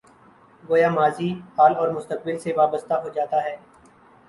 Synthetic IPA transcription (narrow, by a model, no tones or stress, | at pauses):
ɡoːjaːmaːzihaːlɔːɾmʊst̪ək̚bɪlseʋaːbəst̪aɦod͡ʒaːt̪aɦɛː